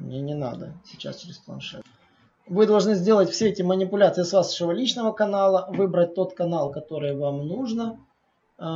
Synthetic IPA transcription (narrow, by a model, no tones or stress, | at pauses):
mnʲenʲɪna̰d̪ə̰sʲɪt͡ɕa̰st͡ɕɪɾʲɪsplˠɐ̰nʂɛ̰t̪ | vɨd̪ɐlˠʐnɨzʲdʲe̞lˠətʲfʲsʲeɛtʲɪmənʲɪpʊlʲat̪sɨjɪsvasʂəvəlʲit͡ɕnəvəkɐnalˠəvɨbɾət̚ʲt̪o̞t̪kɐnalˠkɐt̪o̞ɾɨjvamnuʐnə